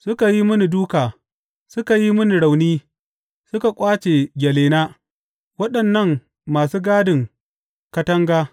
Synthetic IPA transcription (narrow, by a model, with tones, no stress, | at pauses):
sʊ˦ka˨ji˦mʊ˦ni˨duː˦kaː˨ | sʊ˦ka˨ji˦mʊ˦ni˨ɽa˨wniː˦ | sʊ˦ka˨kʷʼaː˦t͡ʃeː˨ɡʲɐ˨leː˨naː˦ | wɐ˦ɗɐ˨nːɐ˦˨ŋ | maː˨suː˦ɡaː˦dɪ˨ŋ | kɐ˦tɐ˦ŋɡaː˦